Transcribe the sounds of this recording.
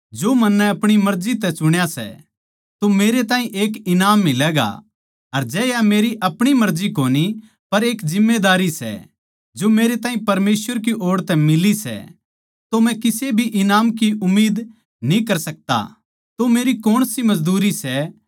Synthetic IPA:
d͡ʒoːmɐnːɛɐpɽ̃imɐɾzit̪ɛt͡ʃʊɽ̃jasɛ̰ | t̪omeːɾet̪ãːĩʔeːkɪnaːmːɪlɛːɡa̰ | ɐɾd͡ʒɛːjameːɾiʔɐpɽ̃imɐɾd͡ʒikoːni | pɐɾeːkzɪmːed̪aːɾisɛ̰ | d͡ʒomeːɾet̪ãːĩpɐɾmeːsʋəɾk̬iʔoːɽt̪ɛmɪlisɛ̰ | t̪omɛ̃kɪsebʱiʔɪnaːmk̬iʊmːiːd̪ | nĩkɐɾsɐk̚t̪a̰ | t̪omeːɾikoːɽ̃simɐzd̪uːɾisɛ

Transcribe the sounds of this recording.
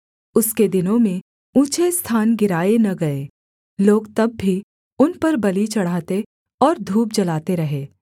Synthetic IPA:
ʊsked̪ɪnõmẽ | ũːt͡ʃest̪ʰaːnɡɪɾaːenɐɡɐeː | loːɡt̪ɐbːʱi | ʊnpɐɾbɐlit͡ʃɐɽ̤aːt̪e | ɔːɾd̪ʱuːp̚d͡ʒɐlaːt̪eɾɐɦeː

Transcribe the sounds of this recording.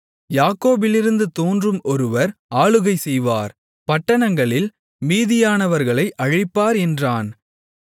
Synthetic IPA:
jaːkoːbɪlɪɾɯnd̪ɯt̪oːndrɯmɔɾɯʋɐɾaːɭɯɣɐɪsɛjʋaːɾ | pɐʈːɐnɐŋɡɐɭɪl | miːðɪjaːnɐʋɐɾɣɐɭɐɪʔɐɻɪpːaːɾɛndraːn

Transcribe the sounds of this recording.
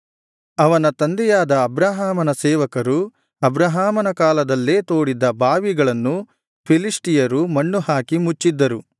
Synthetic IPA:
ɐʋɐnɐt̪ɐnd̪ɛjaːd̪ɐːbɾaːɦaːmɐnɐsɛːʋɐkɐɾu | ɐbɾɐɦaːmɐnɐkaːlɐd̪ɐlːeːt̪o̞ːɽid̪ɐbaːʋiɡɐɭɐnːu | pʰiliʂʈijɐɾumɐɳːuhaːkimut͡ʃːid̪ːɐɾu

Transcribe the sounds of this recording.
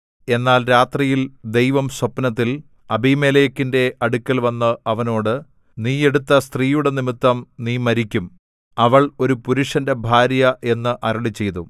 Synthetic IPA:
e̞nːaːlɾaːt̪rijild̪e̞jʋɐmswɐpːnɐt̪̬ːil | ɐbimeːlɐjɐkːinde̞ɐɽukʲːɐlʋɐnːɐʔɐʋɐno̞ːɽɨ | niːe̞ɽut̪ːɐst̪riːjuɽe̞nimit̪ːɐmniːmɐɾikʲːum | ɐʋɐɭo̞ɾupuɾuʂɐnde̞bʱaːɾjɐʔe̞nːɨʔɐɾɐɭit͡ɕːe̞jt̪u

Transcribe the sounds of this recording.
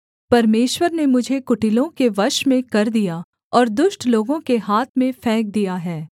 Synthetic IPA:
pɐɾmeːʃwəɾnemʊd͡ʒʱekʊʈɪlõkeʋɐʃmẽkɐɾd̪ija | ɔːɾd̪ʊʃʈloːɡõkeɦaːt̪ʰmẽfʰɛ̃ːk̚d̪ijaɦɛː

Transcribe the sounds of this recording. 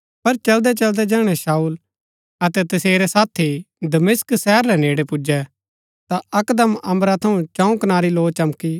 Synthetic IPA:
pɐɾt͡ʃɐld̪ɛt͡ʃɐld̪ɛd͡ʒɛːɽ̃ɛʃaːuːl | ɐt̪ɛt̪ɐseːɾɛsaːt̪ʰi | d̪ɐmɪsksɛːɾːɛneːɽepʊd͡ʒɛ | t̪aɐkd̪əmɐ̃mɾat̪ʰɐ̃ũt͡ʃãːũknaːɾiloːt͡ʃɐmki

